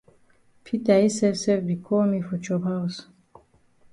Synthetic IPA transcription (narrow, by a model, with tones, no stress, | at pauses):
pʰi˦t̪a˨i˦sɛ˦sɛ˦vbi˨kʰo˦mifɔ˨t͡ʃɔ˨ba˦us